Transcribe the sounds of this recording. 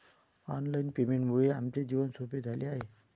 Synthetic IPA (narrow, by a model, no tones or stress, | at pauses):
ɔnlajnpemeɳʈmuɭeamt͡ɕed͡ʑiʋənsoped̪ʱaliaɦe